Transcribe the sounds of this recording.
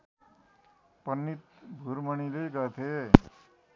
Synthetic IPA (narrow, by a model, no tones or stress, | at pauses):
pʌnːit̪̚bʱuɾməɽ̃ileɡʌt̪ʰe